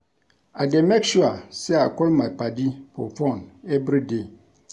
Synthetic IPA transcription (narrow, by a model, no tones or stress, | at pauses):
ademekʃuasɛakɔlmapadipʰɔ̰fɔ̃nɛvɾide